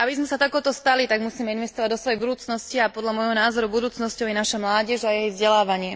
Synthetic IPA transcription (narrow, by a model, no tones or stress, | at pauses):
ʔabizmɛsat̪akɔːt̪ɔst̪alit̪aɡmusiːmɛinʋɛst̪ɔʋaɟd̪ɔsʋɔjɛjbud̪uːt͡snɔsciapɔd̪lʎamɔjɦɔnaːzɔɾubud̪uːt͡snɔscɔʊjɛnaʃamlaːɟɛʒajɛjɛjvzɟɛlaːʋaɲɪɛ